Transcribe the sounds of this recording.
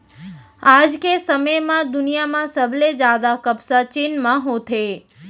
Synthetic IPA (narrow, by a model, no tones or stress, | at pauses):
ad͡ʒkesəməjmãd̪ʊnijamãsəbled͡ʒad̪akəbsat͡ʃinmãɦõt̪ʰe